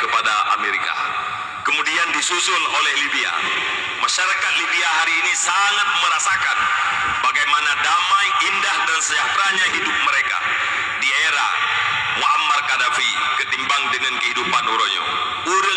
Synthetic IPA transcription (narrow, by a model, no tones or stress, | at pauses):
kəpadaʔa̰meɾika̰ | kəmudiandisusʊlolɛhlibia̰ | maʃaɾakat̪̚libiaɦaɾiːnisaŋat̪̚məɾasakan | baɡajmanadamajindahdansəat̪ɾaɲaɦidʊp̚məɾeka̰ | dieɾa̰ | muamarkadafi | kət̪imbaŋdəŋankəɦidupanuɾoɲo̰ | uɾə